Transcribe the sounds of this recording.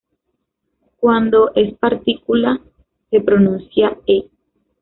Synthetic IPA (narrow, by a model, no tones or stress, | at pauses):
kwand̪oʔespaɾt̪ikula | hepɾonũnsjae